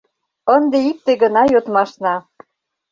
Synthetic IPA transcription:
ənd̪eik̚t̪eɡə̆nɑjot̪mɑʃnɑ

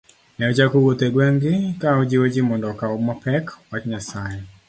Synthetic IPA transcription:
nɛot͡ʃakuwot̪eɡwɛŋɡɪkaod͡ʒiwod͡ʒimɔndɔkaɔmɔpɛkwat͡ʃɲasae

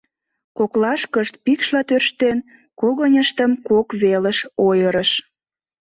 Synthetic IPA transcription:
koklɑʃkəʃt̪̚pikʃlɑt̪ørʃt̪en | koɣənʲəʃt̪əmkokβeləʃojəɾəʃ

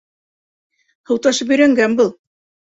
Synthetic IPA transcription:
hɤ̆wt̪ɑʃɤpɵɾæŋɡænbɤlˠ

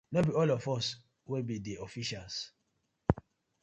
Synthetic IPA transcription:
nobiɔlɔfɔs | webideɔfiʃals

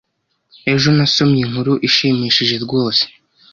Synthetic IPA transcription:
e̞ʒo̞naso̞mjiŋ̥huɾuʔiʃiːmiːʃiʒe̞ɾɡo̞ːse̥

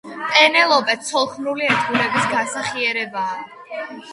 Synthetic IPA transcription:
pʼɛnɛlˠɔbɛt̪sʰɔlˠkʰmnuliɛɾt̪ʰɡulɛbisɡasaχiɛɾɛbaː

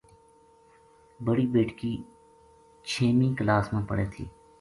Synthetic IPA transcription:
bəɽiːbeːʈkiː | t͡ʃʰeːmĩːklaːsmẽːpə̰ɽeːt̪ʰḭː

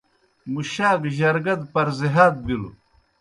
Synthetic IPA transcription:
muɕaːdʑɐɾɡɐd̪pɐɾzeɦaːd̪̚bilu

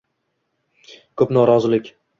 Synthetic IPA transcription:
kʰɵpnɒɾɒzɪlɪkʲ

